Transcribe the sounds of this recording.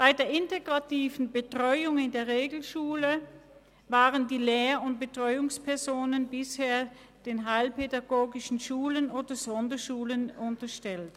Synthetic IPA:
b̥aɪdeːɐʔɪnteɡʁatiːvn̩bətʁ̥ɔʏʊŋɪndeːɐʁeːɡl̩ʃuːlə | vaːʁəndiːleːɐʊnt̚b̥ətʁ̥ɔʏʊŋspʰɛɐzoːnənbɪsheːɐ | d̥eːnɦaɪlpedaɡoːɡɪʃn̩ʃuːlənoːdɐz̥ɔndɐʃuːlənʊntɐʃtɛlt

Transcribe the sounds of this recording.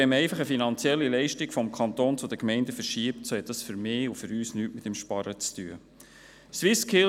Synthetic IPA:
ɛmɛɪfɑχəfinɑnt͡sjɛlːilɛɪʃtikfɔmkʰɑnt̪oːnt͡sʊd̥̪əkmɛɪndəfəɾʃiəptsohɛt̚d̥ɑsfʏɾmɪːufʏɾyːsnyːtmɪtəmʃpɑɾət͡styə | swɪskʰɪ

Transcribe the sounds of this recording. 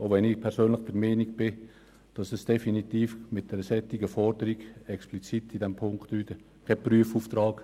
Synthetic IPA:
oʋɛnipʰɛɾsøːnlɪχd̥əɾmɛniɡb̥ɪ | d̥ɑsɛsd̥ɛfinit̪iːfmɪt̚d̥ɛɾəsɛtːiɡəfɔɾd̥əɾiɡɛksplit͡sitidɛmpʰʊŋktlyːtə | kʰɛpryəfuːft̪rɑːɡ̥

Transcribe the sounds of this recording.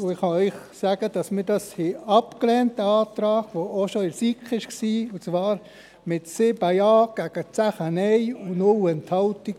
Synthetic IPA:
ʊɪχhɑœʏχ | sæːɡ̥əd̥ɑsmiɾdɑshɪɑpklɛːntəɑːt̪ɾɑːɡʋooʃoɪɾsikχɪʃksiːʊt͡sʋɑːɾ | mɪtsɪbajɑːɡ̥æɡ̥ət͡sæχənɛjʊnʊwɛnthɑwtik

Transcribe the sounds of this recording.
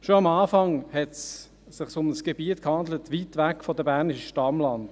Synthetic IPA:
ʃoɑmɑːfɑŋhɛts | sɪχsʊməsɡ̥ebiətkhɑndlətʋitʋækfɔdəbæʁnɪʃəʃtɑmlɑnt

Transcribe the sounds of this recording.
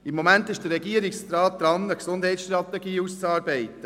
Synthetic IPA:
ɪmːomæntɪʃd̥ərːɛɡiəɾɪksɾɑːt̚d̪̥ɾɑnəksʊndɦɛɪtsʃtɾɑt̪ːɛɡiːust͡sɑːɾbɛɪt̪ːə

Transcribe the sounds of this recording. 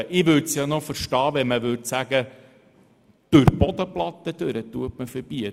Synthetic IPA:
ʔɪʋɵɾtsjɑnofəɾʃtɑːʋɛməʋʉɾtsæɡə | d̪̥ɵɾb̥ɔd̪əplɑt̪ːəd̥̪øɾət̪uətməfəɾb̥iə

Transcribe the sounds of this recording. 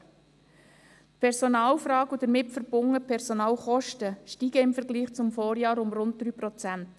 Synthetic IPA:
pʰɛɾsonɑːlfɾɑːɡud̥̪əɾmɪpfəɾb̥ʊŋəpʰɛɾsonɑːlχɔʃtəʃtiːɡəɪmfəɾɡliːχt͡sʊmfoːɾjɑːɾʊmrʊnd̚d̪̥ɾyːprɔt͡sænt

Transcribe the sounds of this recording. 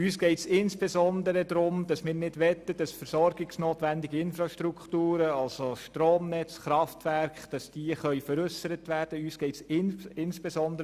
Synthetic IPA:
yːsɡ̥ɛɪtsɪnsb̥esɔnd̪əɾədɾʊmd̥ɑsmɪːɾnɪdʋɛt̪ːəd̥ɑsfəɾsɔɾɡɪksnoːtʋændiɡəɪnfɾɑʃtɾukχtuːɾəɑlsoʃtɾoːmnɛt͡sχɾɑftʋæɾkχd̥ɑsd̥iəχœʏfəɾʏsəɾət̪ʋæːɾd̥əyːsɡ̥ɛɪtsɪnɪnsb̥esɔndəɾ

